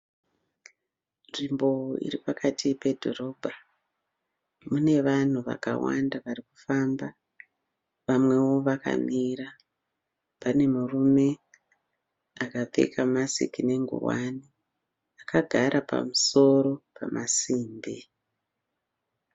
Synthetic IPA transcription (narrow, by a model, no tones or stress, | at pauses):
nrimbo̞ḭɾipakatipe̞dʱo̞ro̞ːbʱa | mune̞ʋan̤uʋa̰ka̰wa̰ndaʋaɾiku̥faːmba | ʋamwe̞wo̞ʋaka̰miɾa | pane̞murume̞ | akap͡fe̞̰kamasḭkine̞ŋɡṵwa̰ni | akaɡʱaɾapa̰muso̞ɾo̞pʰamʔasiːmbi